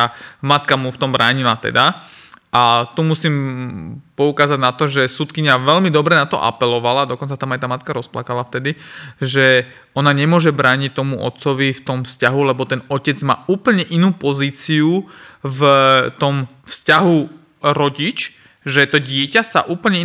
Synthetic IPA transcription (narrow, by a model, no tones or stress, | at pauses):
amat̪kamuft̪ɔmbɾʔaːɲilat̪ɛ̰d̪aʔat̪umusim | pɔukaːzaɟnat̪ɔʒɛsut̪kiɲaʋɛʎmid̪ɔbɾɛnat̪ɔ̰ʔa̰pɛlɔʋalad̪ɔkɔnt͡sat̪amajt̪aːmat̪̚kaɾɔsplakalaft̪ɛd̪iʒɛ | ɔnaɲɛmʊɔʒɛbɾaːɲic̚t̪ɔmuʔɔ̰t̪t͡sɔʋift̪ɔmfscaɦulɛbɔt̪ɛnɔcɛd͡zma̰ːuːpl̩ɲɛʔinuːpɔziːt͡siuvt̪ɔm | fscaɦu | ɾɔɟit͡ʃ | ʒɛt̪ɔɟɪɛcasa̰ʔuːpl̩ɲɛi